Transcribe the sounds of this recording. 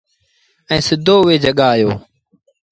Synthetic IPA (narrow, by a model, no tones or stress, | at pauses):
ɛ̃ːsɪd̪ʱoːʋeːd͡ʒəɠaːjo̰ː